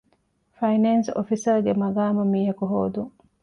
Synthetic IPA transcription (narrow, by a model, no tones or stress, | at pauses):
fɐjnenso̰fisɐɾɡemɐɡaːmɐmiːɦɐkuɦoːd̪uŋ